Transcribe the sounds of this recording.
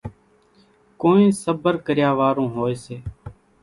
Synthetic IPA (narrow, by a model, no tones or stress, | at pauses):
koːĩːsəbəɾkəɾjaːʋaːɾõːɦoːeːseː